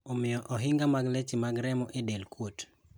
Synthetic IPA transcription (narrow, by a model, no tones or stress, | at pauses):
omɪjɔʔɔɦɪŋɡamaɡlet͡ʃimaɡɾɛmɔʔedelkwot